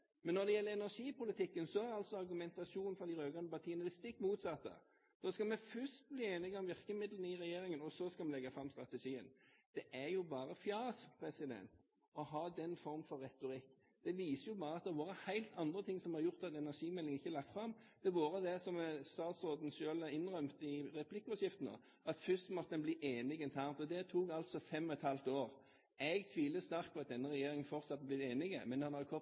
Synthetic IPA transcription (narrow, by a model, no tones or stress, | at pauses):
mɛnːɔɾd̪ɛjɛlːəɾɛnæʁʂiːpʊlɪt̪ʰɪkːənsɔæɾɑlsɔɑɾɡʉmɛnt̪ɑʂuːnn̩fɾɑd̪ɪɾøːɡɑnəpɑt̪ʰiːənəlɪst̪ɪkːmuːt̪sɑt̪ːə̰ | d̪̥oːskɑlmɛfœʂt̪̚bliːeːnɪɡɔmʋɪʁkəmɪd̪lənəɪɾɛjeːɾɪŋənɔsɔskɑlmɛlɛɡːɑfɾɑmst̪ɾɑt̪əʂiːə̰nd̪̥ɛʔæjʊbɑːɾəfjɑːspʰɾɛsɪd̪ɛ̰nt̪ | ɔɦɑːd̪ɛnfɔɾmfɔɾːɛt̪ʊɾɪkː | d̪̥ɛʋiːsəjʊbɑːɾəɑt̪̚d̪ɛʋɑːɾəhæɪlt̪ʰɑnd̪ɾət̪ʰɪŋːsɔmhɑɾjʊɾt̪ɑt̪ɛnæʂiːmɛlɪŋɪçːəlɑk̚t̪fɾɑmːd̪̥ɛʋuːɾəd̪ɛsɔmst̪ɑːt̪sɔd̪n̩ʃøːləɪnːʁœmt̪ɪɾɛpʰlɪkːɔsjɪft̪n̩ɑ̰ | ɑt̪fʏst̪mɔt̪əɛnbliːʔeːnɪɡɛnt̪ʰæːʁnt̪ɔd̪ɛt̪ʰuːɡɑlt̪sɔfɛmːɔɛt̪hɑlt̪oːɾ | ɛɡt̪ʰʋiːləst̪æɾkt̪̚pʰɔɑt̪̚d̪ɛnːəɾɛjeːɾɪŋənfɔɾt̪sɑt̪ːblɪt̪eːnɪɡə̰mɛnhɑnɑkʰɔ